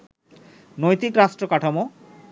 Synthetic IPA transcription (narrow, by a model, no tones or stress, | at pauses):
nojt̪ikɾaʃʈɾokaʈʰamo